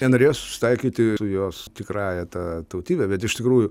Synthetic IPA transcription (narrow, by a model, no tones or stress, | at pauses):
nʲɛnoːɾʲeːjosʊ̥sʲɪ̥t̪ɐɪkʲiːt̪ʲɪsʊjoːst̪ʲɪkrɑːjɛt̪ɑːt̪ɐʊt̪ʲiːbʲɛbʲɛt̪ɪʃʲt̪ʲɪkɾuːjʊ